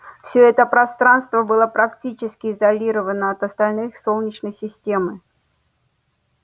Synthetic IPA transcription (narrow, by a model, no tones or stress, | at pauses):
fsʲɵɛt̪əpɾɐst̪ɾanst̪vəbɨlˠəpɾɐktʲit͡ɕɪskʲɪɪzɐlʲiɾəvənəɐt̪əst̪ɐlʲnɨxsolˠnʲɪt͡ɕnəjsʲɪsʲtʲemɨ